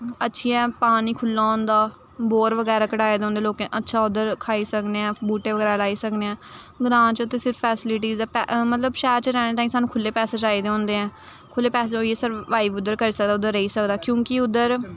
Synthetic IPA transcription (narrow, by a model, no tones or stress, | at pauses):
ətːʃʰiːɛːpaːñiːkʰʊlːaːõːnd̪aː | boːɾʋəɡɛːɾaːkəʈaːeːd̪ẽõːnd̪eːloːkẽːʔətːʃʰaːʊd̪əɾkʰaːiːsəkneːɛ̃ːbuːʈeːʋəɡɛːɾaːlaːiːsəkneɛ̃ːɡɾãːt͡ʃət̪eːsɪɾfpɛːsɪlɪʈ̬iːzɛːpɛmət̪ləbʃɛːɾt͡ʃəɾɛːñẽːt̪aːĩːsaːnũːkʰʊlːeːpɛːseːd͡ʒaːiːd̪eːõːnd̪eːɛ̃ː | kʰʊlːeːpɛːseɦoːiesəɾʋaːiːʋʊd̪əɾkəɾiːsək̚d̪aːʊd̪əɾːəiːsəkd̪aːkjõːkɪʊd̪əɾ